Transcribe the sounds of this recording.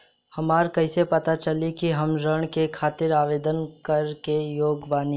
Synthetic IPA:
hɐmaːɾkɐɪsepɐt̪at͡ʃɐlikiɦɐmɾəɽ̃kekʰaːt̪ɪɾaːʋeːd̪ənkɐɾkejoːɡʋaːni

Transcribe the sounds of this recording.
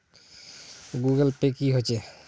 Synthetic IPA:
ɡuɡəlpekiɦot͡ʃɛ

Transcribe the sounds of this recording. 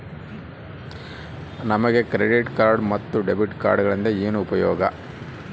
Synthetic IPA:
nɐmɐɡe̞kɾeɖiʈkaːɾɖmɐt̪ːuɖebiʈka̰ːɾɖɡɐɭɐnd̪eeːnuːpɐjɔːɡɐ

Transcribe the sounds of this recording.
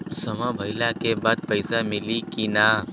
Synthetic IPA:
səmabʱəɪlakebad̪̚pəɪsamɪlikina

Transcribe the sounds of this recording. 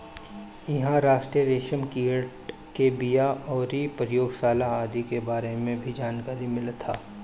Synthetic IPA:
ɪɦãɾaːʃʈɾiəɾeːʃəmkiːʈ | kebijaʔɔːɾipɾəjoːɡsaːlaaːd̪ikebaːɾemẽbʱid͡ʒaːnkaːɾimɪlt̪ʰːaː

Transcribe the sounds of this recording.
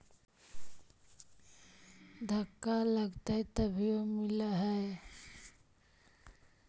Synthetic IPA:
d̪ʱəkːaləɡt̪aɦɛt̪əbʱiomɪlaɦɛe

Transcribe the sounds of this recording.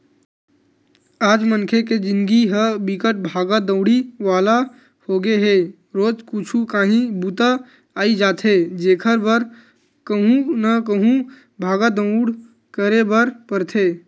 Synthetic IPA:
aːd͡ʒmənkʰeked͡ʒɪ̃nɡiɦəbɪkəʈ̚bʱaːɡad̪ə̃ʊɽiʋaːla | hoːɡeɦeː | ɾoːd͡ʒkʊt͡ʃʰukaːɦĩbuːt̪a | aːid͡ʒaːt̪ʰɦeːd͡ʒeːkʰəɾbəɾ | kəɦũnəkəɦũ | bʱaːɡad̪ə̃ʊɽ | kəɾebəɾpəɾt̪ʰeː

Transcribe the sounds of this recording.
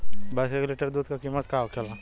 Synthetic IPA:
bɐsɾeɡuleʈəɾd̪uːd̪kakiːmːət̪kaːʋkʰela

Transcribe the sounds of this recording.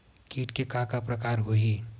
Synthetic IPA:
kiːʈkekaːkapɾɐkaːɾɦoi

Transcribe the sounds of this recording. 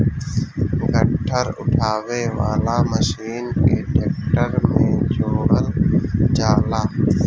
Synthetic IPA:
ɡʱəʈʰːəɾʊ̰ʈʰaːʋeʋaːlaːməʃiːnkeːʈeːk̚ʈəɾmẽd͡ʒoːɽəld͡ʒaːlaː

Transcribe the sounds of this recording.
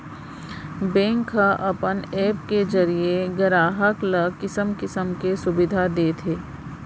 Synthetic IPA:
bɛ̃ːŋkɦaʔɐpəneːpked͡ʒɐɾieɡəɾaːɦəkləkɪsəmkɪsəmkesʊbɪd̪ʱad̪eːt̪ʰeː

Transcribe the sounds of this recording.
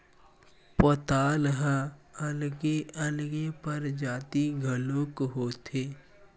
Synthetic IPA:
poːt̪aːlɦãɐlɡeɐlɡepəɾd͡ʒaːt̪iɡʱəloːkɦoːt̪ʰeː

